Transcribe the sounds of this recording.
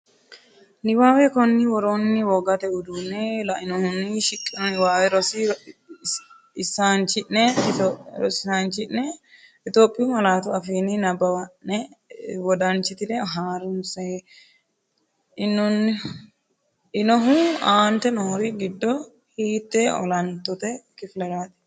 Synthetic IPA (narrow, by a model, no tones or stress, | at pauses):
nɪwaːwɛkɔnːɪwɔɾoːnːɪwɔɡɐt̪ɛʊd̪unɛlɐɪnɔhʊnːiʃɪkʼːɪnɔnɪwaːwɛɾɔsi | ɪsaːnt͡ʃɪʔnɛ | ɾɔsɪsaːnt͡ʃɪʔnɛ | ɪt̪oːpʼːɪumɐlaːt̪ʊɐfiːninɐbɐwɐʔɛwɔd̪ɐnt͡ʃɪt̪ɪd̪ɛɦaːɾʊmsɛ | ɪnɔn | ɪnɔɦuaːnt̪ɛnoːɾɪɡɪd̪ːɔ | hiːt̪ːɛɔ̰lɐnt̪ːɔt̪ɛkɪflɛɾaːt̪ɛ̥